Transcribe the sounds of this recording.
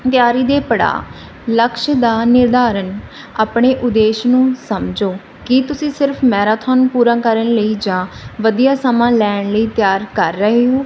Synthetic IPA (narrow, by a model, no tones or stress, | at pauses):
t̪ɪjaːɾiːd̪eːpəɽa̰ː | ləkʃd̪aːnɪɾd̪aːɾən | aːpɳeːʔʊd̪eːʃnũːsəmd͡ʒoː | kɪt̪ʊsĩːsɪɾpʰmɛːɾaːt̪ʰɔːnpuːɾãːkəɾəɳləiːd͡ʒãːʋəd̪ijaːsəmãːlɛːɳləiːt̪jaːɾkəɾːəɦeːɦoː